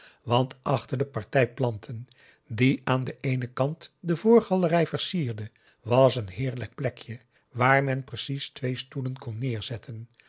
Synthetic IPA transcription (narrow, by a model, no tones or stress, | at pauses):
ʋɑntʰʔɑχtəɹdəpɑɹtɛjplɑntʰən | diʔaːndəʔejnəkɑntdəvʊːɹχɑlərɛjvəɹsiːɹdə | ʋɑsənɦɪːɹlək̚plɛkʰjə | ʋaːɹmɛnprəsistʋejstulənkɔnːɪːɹz̥ɛtʰən